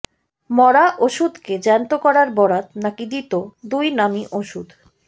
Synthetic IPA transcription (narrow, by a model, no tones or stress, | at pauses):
mɔɾaʔoʃud̪ked͡ʑɛnt̪okɔɾaɾbɔɽat̪̚nakid̪it̪od̪ujnamiʔoʃud̪